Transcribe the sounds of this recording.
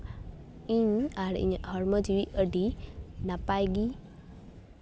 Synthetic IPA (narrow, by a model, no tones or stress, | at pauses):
iɲaɾḭɲɦɔɾməd͡ʒiwiʔəɖinapajɡi